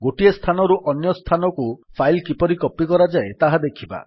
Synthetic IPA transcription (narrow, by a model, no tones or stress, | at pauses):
ɡoʈiest̪ʰanɔɾuʔɔnjɔst̪ʰanɔkupʰajlkipɔɾikɔpːikɔɾad͡ʒaet̪aɦad̪ekʰiba̰